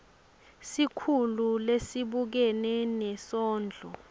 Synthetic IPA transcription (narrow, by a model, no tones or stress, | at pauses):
sikʰululesiɓuk̬ɛnɛnɛsɔːnd͡ɮʱɔ̰